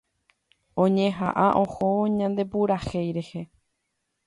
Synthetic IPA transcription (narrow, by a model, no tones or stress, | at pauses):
õɲẽɦa̰ʔaʔõ̞hoɲãnd̪e̞puɾaxejɾe̞he̞